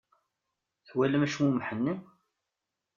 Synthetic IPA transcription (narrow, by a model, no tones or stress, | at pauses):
θwæləmæʃmumħənːi